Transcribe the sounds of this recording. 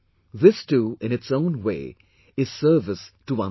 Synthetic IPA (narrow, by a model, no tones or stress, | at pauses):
ðɪstuːɪ̃nɨtsõʊ̃nwḛː | ɪz̥səːvɪsʈəwʌ̃